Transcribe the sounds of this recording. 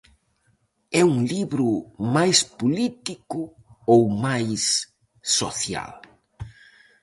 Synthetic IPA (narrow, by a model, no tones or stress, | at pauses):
ɛuŋliβɾʊmajspulit̪ikʊ | owmajsː | oθja̰l